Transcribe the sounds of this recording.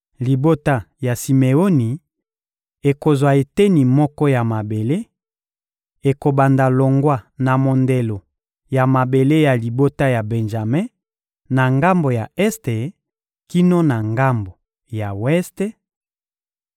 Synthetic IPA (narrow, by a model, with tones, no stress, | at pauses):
li˨bo˦ta˦ja˨si˨me˨o˦ni˨ | e˨ko˨zwa˨e˨te˦ni˨mɔ˦kɔ˦ja˨ma˨be˨le˦ | e˨ko˨ba˨nda˨lo˨ŋɡwa˦na˨mo˨nde˨lo˨ | ja˨ma˨be˨le˦ja˨li˨bo˦ta˦ja˨be˨nʒa˨me˦ | na˨ŋɡa˦mbo˨ja˨ɛ˦ste˨ | ki˦no˦na˨ŋɡa˦mbo˨ | ja˨wɛ˦ste˦